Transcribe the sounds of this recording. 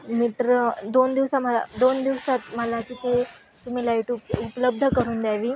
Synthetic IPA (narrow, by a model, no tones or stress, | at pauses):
miʈɾd̪ond̪iʋsaməla̰d̪ond̪iʋsat̪məlakiːt̪e | t̪um̤iːlaiʈupupləb̚d̪ʱəkəɾuːnd̪jaʋiː